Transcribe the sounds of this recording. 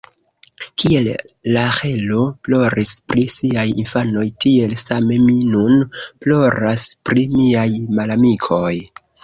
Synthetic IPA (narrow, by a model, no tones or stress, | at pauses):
kie̞lːahe̞lo̞plo̞ɾispɾisiajinfano̞jtie̞lsame̞minunplo̞ɾʔaspɾimiajmalamikʰo̞j